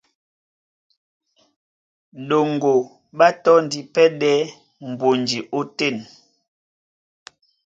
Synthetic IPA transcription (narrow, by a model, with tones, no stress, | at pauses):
ɗo˨ŋ˨ɡo˨ | ɓa˦tɔ˦n˨di˨pɛ˦ɗɛ˦ | m̩˨bo˨nd͡ʒi˨ʔo˦tɛ˦˨n